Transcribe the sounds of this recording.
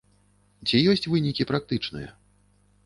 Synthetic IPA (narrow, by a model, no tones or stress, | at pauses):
t͡sʲijɔsʲt͡sʲvɨnʲikʲipɾak̚t̪ɨt͡ʂnɨ̰jɐ̰